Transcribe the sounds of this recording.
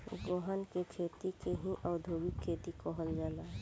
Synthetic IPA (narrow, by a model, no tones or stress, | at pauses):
ɡɔɦənkekʰeːt̪ikeɦĩʔɔːd̪ʱoːɡikʰːeːt̪ikɔɦəld͡ʒaːla